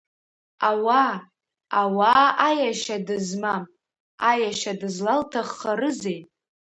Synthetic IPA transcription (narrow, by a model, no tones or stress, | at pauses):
awa | awaajaʃadɨzmam | ajaʃadɨzlaltʰaχːaɾɨzejtʼ